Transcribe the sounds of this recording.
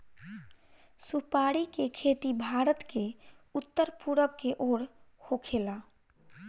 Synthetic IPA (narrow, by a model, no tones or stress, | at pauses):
supaɽikekʰet̪ibʱaɾət̪ke | ut̪ːəɾpuɾəbkeʔoɽhokʰela